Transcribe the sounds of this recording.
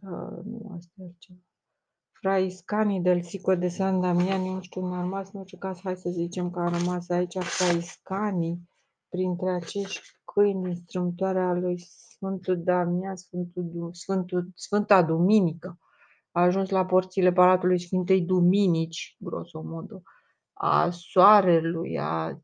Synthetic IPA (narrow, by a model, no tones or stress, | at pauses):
a̰nṵa̰st̪aalt͡ʃeva | fɾaiskanid̪e̞lsikod̪e̞sand̪amianunuʃt̪uumearmasɨno̞rt͡ʃe̞kazhajsəzit͡ʃe̞mkəaɾəmasait͡ʃʲafɾaiskani | pɾint̪ɾe̞at͡ʃe̞ʃt̪ʲkʰɨjnd̪inst̪ɾɨmt̪oaɾealujsfɨnt̪ud̪amiasfɨnt̪usfɨnt̪usfɨnt̪ad̪uminikə | aːʒunslapo̞rt̪sile̞palat̪ulujsfɨnt̪e̞jd̪uminit͡ʃʲɡɾo̞̰so̞mod̪o | a̰soaɾe̞luja̰